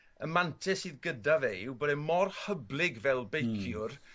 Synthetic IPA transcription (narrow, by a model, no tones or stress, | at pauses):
əmantʰɛsɨːðɡədavewbɔdɛmɔrhəblˠɪɡvɛlˠbejkʰjʊr